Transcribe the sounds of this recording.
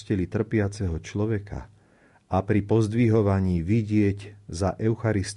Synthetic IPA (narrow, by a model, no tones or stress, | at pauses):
cɛlit̪r̩pɪat͡sɛɦɔt͡ʃlɔʋɛkʰa̰ | ʔapɾipɔzd̪ʋiɦɔʋaɲiːʋiɟɪɛɟzaʔɛʊxaɾist̪